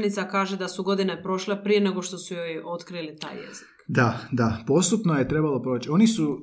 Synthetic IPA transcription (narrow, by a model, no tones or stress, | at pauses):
nit̪sakaːʒe̞d̪asuɡo̞d̪inepɾo̞ʃlepɾije̞ne̞ɡo̞ʃt̪o̞sujo̞jo̞t̪kɾilit̪a̰ːjːḛz̥ikd̪ad̪apo̞st̪upnojet̪ɾe̞balopɾo̞t͡ɕio̞nisu